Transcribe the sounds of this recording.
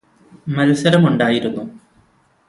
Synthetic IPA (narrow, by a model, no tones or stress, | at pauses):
mɐlɐsɐɾɐmuɳɖaːjiɾunːu